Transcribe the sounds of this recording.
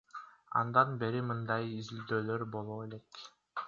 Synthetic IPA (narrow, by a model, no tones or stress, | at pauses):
ɑ̰nd̪ɑnbe̞ɾimɯnd̪ɑjizild̪øːløɾbo̞lˠoːe̞lek